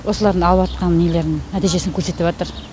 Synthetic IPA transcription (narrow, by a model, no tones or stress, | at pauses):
wʔo̞səlˠɑɾd̪əɴɑlˠəpɑt̪̚qɑnnijele̞ɾd̪ɪŋnæt̪ijʒe̞sɪŋkʲʰɵɾse̞t̪ɪpʒɑt̪əɾ